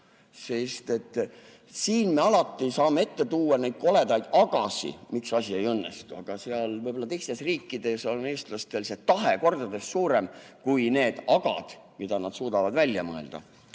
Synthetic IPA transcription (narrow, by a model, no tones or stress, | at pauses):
sest̪e̞t̪ː | siːnme̞ɑlɑt̪ːisɑːmee̞t̪ːe̞t̪uːɑne̞jd̪̥̚ko̞le̞d̪ɑjd̪̥ɑɡ̥ɑsḭmiksɑsʲie̞jɤnːḛst̪uɑɡ̥ɑseɑlvɤjb̥o̞lːɑt̪e̞jst̪e̞sriːkːid̪̥e̞soneːst̪lɑst̪e̞lset̪ɑɦe̞ko̞rd̪ɑd̪e̞ssuːɾe̞mkujne̞ːd̪̥ɑɡ̥ɑ̰d̪̥mid̪̥ɑnɑd̪suːd̪ɑvɑd̪vælʲjɑmɤe̞̰ld̪̥ɑ̰